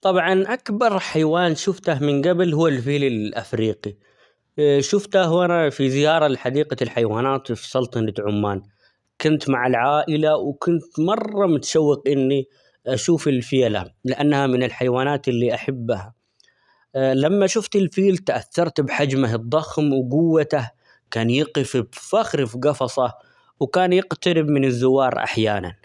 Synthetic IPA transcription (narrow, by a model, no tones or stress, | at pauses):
t̪ˤɑbʕɑnʔakbɑɾˤħajwaːnʃʊft̪ahmɪnɡablhʊːalfiːlɪlʔa̰fɾiːqi | ʃʊft̪aɦʔanafizɪjɑːɾˤɑlɪħad̪iːqalħajwaːnaːt̪fsˤɑlt̪ˤɑnat̪ʕʊmːaːn | kʊnt̪maʕɪlʕaːʔɪlawkʰʊnt̪mɑrˤːɑmʊt̪ʃawːɪqʔɪnːi | ʔaʃuːfɪlfɪjala̰lɪʔanːhamɪnɪlħajwaːnaːt̪ɪlːiʔaħabːha | lamːaʃʊft̪ɪlfiːlt̪ʔaθːɑɾˤt̪bħad͡ʒmaɦɨd̪ˤːɑxmwɡʊwːat̪ah | kaːnjɪqɪfbfaxɾɪfɡɑfɑsˤɑ | wkaːnjɪqt̪aɾɪbmɪnɪzːʊwːɑːɾˤʔa̰ħjaːna̰n